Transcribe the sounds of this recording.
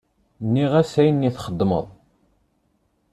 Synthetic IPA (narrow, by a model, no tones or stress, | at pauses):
nːiʁæsæjənːiθχəd̪ˤːmə̰ðˤ